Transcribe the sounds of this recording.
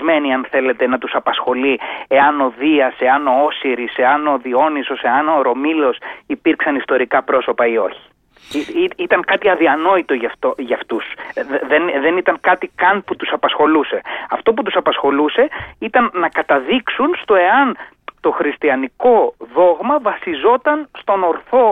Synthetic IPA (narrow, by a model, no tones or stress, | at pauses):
me̞niɐnθe̞le̞t̪e̞nɐt̪usɐpɐsxo̞lie̞ɐno̞ðiɐse̞ɐno̞osiɾiseɐno̞ðio̞niso̞se̞ɐno̞ɾo̞milo̞sipiɾksɐnist̪o̞ɾikɐpɾo̞so̞pɐio̞çi̥ | it̪ɐŋkɐt̪iɐðiɐno̞it̪o̞ʝɐft̪oʝɐft̪usðenðe̞nit̪ɐŋkɐt̪ikɐnput̪usɐpɐsxo̞luse̞ɐft̪o̞p̬ut̪usɐpɐsxo̞luse̞it̪ɐnːɐkɐt̪ɐðiksunst̪o̞e̞ɐn | t̪o̞xɾist̪iɐniko̞ðo̞ɣmɐvɐsizo̞t̪ɐnst̪o̞no̞ɾθo̞